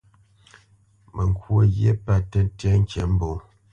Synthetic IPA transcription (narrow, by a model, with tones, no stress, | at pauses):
mʔə˨ŋ˨kwo˨ɣjḛ˦pa˦˨tə˦tjɛ˦ŋ̩˦kɛ˨˦m̩˦bo˨